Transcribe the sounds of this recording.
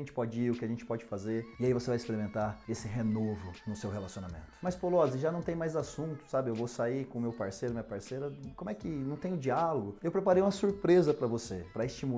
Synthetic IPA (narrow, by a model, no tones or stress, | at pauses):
ẽnt͡ʃɪ̥pɔd͡ʒɪiɾʊkɪaʒẽnt͡ʃɪ̥pɔd͡ʒɪfazeɾɪaivosevajɪspeɾimẽnt̪aesɪɦenovʊnʊsewɦelasionamḛ̃nt̪ʊ̥mɐjspolɔzɪʒanɐ̃w̃t̪ẽj̃majzasũnt̪ʊ̥sabɪewvowsaikõʊmewpaɾsejɾʊɐmĩɲɐpaɾseɾɐkõmʊɛkɪnɐ̃w̃t̪ẽj̃ʊd͡ʒialoɡʊewpɾepaɾejũmɐsuɾpɾezɐpɾɐvosepɾɐɪst͡ʃimu